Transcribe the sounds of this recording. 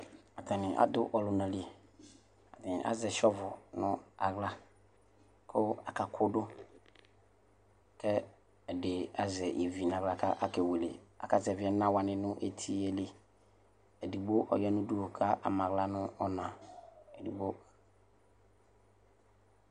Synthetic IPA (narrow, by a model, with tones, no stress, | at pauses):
a˨tʰa˨nɪ̃˨ʔa̰˦d̪ʊ˦ʔɔ˨lʊ˨nã˨li˨e˨ | a˨tɪ̃˨ʔa̰˦zɛ˨ʃɔ˦vʊ˨nʊ̃˦a˨ɣla˦ | kʰʊ˦a˨ka˨kʰʊ˦dʊ˦ | kɛ˦ | ɛ˨dɪ˨a˨zɛ˨ʔḛ˨vi˨n˨ã˨ɣla˨kʰa˦ʔa˦kɛ˨we˨lḛ˨a̰˨ka˨zɛ˨vɪ˨˦ɛ˦nã˦wa˨nɪ̃˨nʊ̃˦ʔe˦t̪ʰi˦e˨le˦ | ɛ˨di˨bo˦ʔɔ̰˨jɛ˦nʊ̃˦du˦o˨kʰa˦ʔa̰˨mã˨ɣla˦nʊ̃˦ɔ˦nã˨ɛ˨di˨ɡ͡bo˦